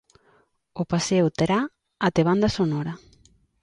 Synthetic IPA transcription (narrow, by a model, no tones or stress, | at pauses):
ʊpasewt̪eɾa | at̪eβ̞and̪asonɔɾa